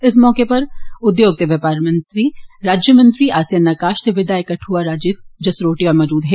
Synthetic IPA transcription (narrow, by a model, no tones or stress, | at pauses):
ɪsmɔːkepɐɾʊd̪joːɡ̚t̪eʋɐpaːɾmɐ̃nt̪ɾiɾaːd͡ʒjəmɐ̃nt̪ɾiaːsjɐnːaːkaːʃt̪eʋɪd̪aːekɐʈʰuaɾaːd͡ʒɪt̪̚d͡ʒɐsɾoːʈiɔːɾmɔːd͡ʒuːd̪ɦɛː